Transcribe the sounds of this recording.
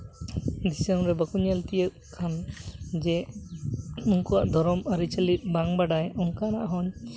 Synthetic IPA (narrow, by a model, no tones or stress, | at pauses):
d̪isaŋɾɛbakuɲalt̪ijəʔ | kʰand͡ʒɛ | uŋkɔwaʔd̪ʱɔɾɔmaɾit͡ʃəlit̪̚ˀbaŋbaɖajɔŋkana̰ʔɦɔɲ